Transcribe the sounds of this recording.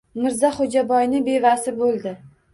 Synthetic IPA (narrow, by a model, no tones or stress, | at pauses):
mɪɾzaχod͡ʒabɒjnɪbe̞vasɪbolˠd̪ɪ